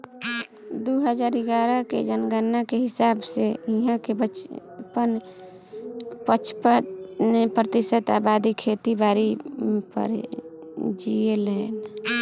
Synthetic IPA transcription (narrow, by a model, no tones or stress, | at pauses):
d̪uɦəd͡ʒaːɾiɡaɾəkḛd͡ʒənɡənːakeɦɪsaːbseiɦãkebət͡ʃpən | pət͡ʃʰpənepɾət̪ɪʃət̪a̰ːbaːd̪ikʰet̪ibaːɾipə̰ɾ | d͡ʒielɛ